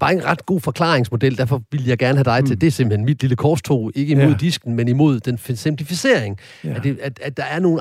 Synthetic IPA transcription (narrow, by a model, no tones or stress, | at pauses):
b̥ɑ̈e̝nʁɑ̈d̥ɡ̥o̝̰ːfɒ̽kʰl̥ɑ̰̈ːeŋsmo̝d̥el̰d̥æɐfɒ̽ʋiləjɑ̈ɪɡ̥æɐnəɦæd̥ɑ̈ɪt͡sʰe̝ld̥e̝æɐsemb̥̩henmid̥liləkʰɒːst͡sʰo̝̰ːe̝ɡ̥əimo̝ð̞̰ˠd̥isɡ̥n̩menimo̝ð̞̰ˠd̥ensempʰlifise̝ɐ̰eŋ | æd̥e̝æ̥æd̥ɑ̈æɐno̝ːn̩